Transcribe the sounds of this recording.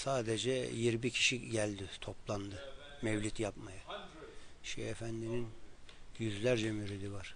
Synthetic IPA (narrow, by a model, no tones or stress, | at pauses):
saːd̪ed͡ʒɛjiɾbicʰi̥ʃiɟælʲd̪ɪt̪ʰo̞plˠand̪ɯ | mɛvlʲit̪japmaja | ʃɛ̰efænd̪ininjyzlʲæɾd͡ʒɛmyɾid̪ivaɾ̥